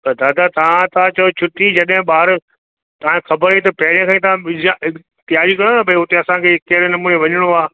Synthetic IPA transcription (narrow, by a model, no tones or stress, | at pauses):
t̪ɐd̪aːd̪at̪ɐʋ̤ãt̪ɐãt͡ɕɐot͡ɕʰʊʈid͡ʑɐɗɦɪ̃ɓaːɾ | t̪ɐãxʰɐbəɾit̪̬ɐpɐɦɪɾjãkʰãːĩt̪ɐãɪd͡ʒaɪ | t̪ɪaːɾikɐɾnabʱɐiɦʊt̪eɐsãkʰeːkɐɦɪɾenɐmuːneʋɐɲəɽ̃oaː